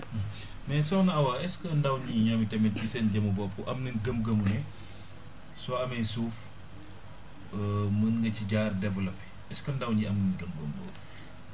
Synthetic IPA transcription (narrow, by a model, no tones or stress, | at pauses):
mɛsɔwnɐɐwaːɛskəndɐwɲiɲɔːmitɛmɛbisɛnɟɐmubɔːpːuʔɐmnənɡəm̚ɡəmunɛ | sɔɐmɛjsuːf | mənŋɡɐciɟaːrdɛvɐlɐpɛ | ɛskɐndɐwɲiɐmnənɡəmɡəmbɔ̰ːp